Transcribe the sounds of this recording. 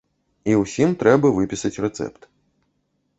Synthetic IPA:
iwsʲimt̪ɾɛbɐvɨpʲisɐt͡sʲrɛt̪sɛ̰pt̪

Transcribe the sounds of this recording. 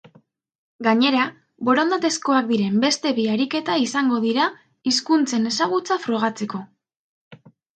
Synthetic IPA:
ɡaɲe̞ɾa | bo̞ɾond̪at̪e̞sko̞ak̚d̪iɾe̞mbe̞st̪e̞βiaɾike̞t̪aisaŋɡo̞ðiɾa | iskunt͡se̞ne̞saɣ̞ut͡safɾo̞ɣ̞at͡se̞ko̞

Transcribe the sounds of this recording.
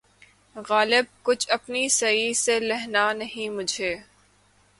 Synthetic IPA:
ɣaːlɪb̚kʊt͡ʃʰɐpnisɐiselɛɦnanɐɦĩmʊd͡ʒʱeː

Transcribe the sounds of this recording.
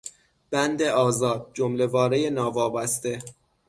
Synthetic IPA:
b̥ænd̪e̞ʔɒːzɒːd̪̚d͡ʒomle̞vɒːɾejenɒːvɒːbæst̪e̞

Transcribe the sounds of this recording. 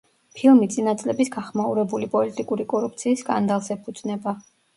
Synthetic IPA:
pʰilˠmit̪sʼinat̪sʼlɛbisɡaχmauɾɛbulipʼɔlit̪ʼikʼuɾikʼɔɾup̚ʰt̪sʰiːsːkʼa̰nd̪alˠsɛpʰud̪z̥ʼnɛba

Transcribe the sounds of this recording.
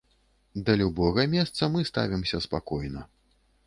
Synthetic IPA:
d̪ɐlʲubɔɣɐmʲɛst̪sɐmɨst̪a̰vʲimsʲɐspakɔjnɐ

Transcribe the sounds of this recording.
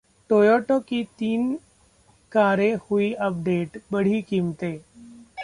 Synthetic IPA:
ʈoːjoːʈokit̪iːn | kaːɾẽhuiʔɐp̚ɖeːʈbəɽ̤iːkiːmt̪eː

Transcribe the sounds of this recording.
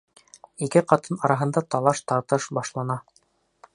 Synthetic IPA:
ikɘqɑt̪ɤnɑɾɑɦɤ̆nd̪ɑt̪ɑlˠɑʃt̪ɑɾt̪ɤʃbɑʃlˠɑnɑ

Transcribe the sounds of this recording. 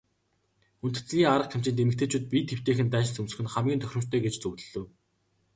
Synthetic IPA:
un̥t̪ɘ̆t͡s̆ɮʲiːŋaɾə̆q̚kʰam̥t͡ɕĭːnt̪emɘ̆kt̪ĕt͡ɕʰuːt̪̚pʲit̪xew̥t̪eːxɘ̆nt̪æːʃɪ̆nsɵmsɘ̥̆xɘ̆nχamɡʲiːnʰœxɾʲɪ̆m̥t̪ʰːœːɡet͡ɕt͡sɵwt̪ɘ̆ɮɵ̆w

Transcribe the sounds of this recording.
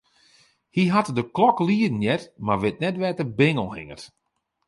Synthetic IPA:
hiɦatdəklɔkliːədn̩jɛtmarʋɪt̚nɛtʋɛtəbɪŋəlˠhɪ̰ŋət

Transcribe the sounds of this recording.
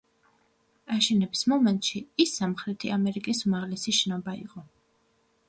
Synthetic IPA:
aʃɛnɛbi̥smɔmɛnt̪ʼʃiisːamχɾɛt̪ʰiamɛɾikʼisumaʁlɛsiʃɛnɔbaiqʼɔ

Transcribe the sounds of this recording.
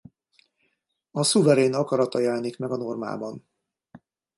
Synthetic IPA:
ɒsuvɛɾeːnɒkɒɾɒt̪ɒjɛlɛnikmɛɡɒno̞rma̰ːbɒn

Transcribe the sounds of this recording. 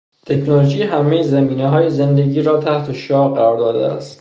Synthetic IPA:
t̪ʰe̞cnoloʒiːɦæme̞jezembiːneɦɒːjeze̞nd̪eɟiːɾɒːt̪ʰæht̪ʰe̞ʃɒːɢæɾɒːɾd̪ɒːd̪ḛæ̰st̪

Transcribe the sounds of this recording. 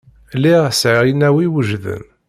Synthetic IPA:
liʁsʕəʁjənːæwiwəʒðə̰n

